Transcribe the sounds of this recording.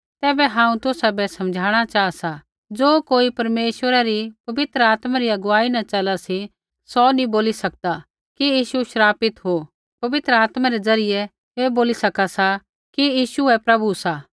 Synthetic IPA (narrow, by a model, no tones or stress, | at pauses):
t̪ɛːbɛɦãːũt̪ʊsabɛsɐ̃md͡ʒʱaːɽ̃at͡ʃaːasa | d͡zoːkoːipɐɾmeːʃwəɾaɾipɐʋɪt̪ɾəaːt̪maɾiɐɡʊʋaːinɐt͡ʃɐlasi | sɔnĩboːlisɐk̚d̪a | kijiːʃuʃɾaːpɪt̪ɦo | pɐʋɪt̪ɾəaːt̪maɾed͡zɐɾɪjɛ | eboːlisɐkasa | kijiːʃuɛpɾɐbʱusaː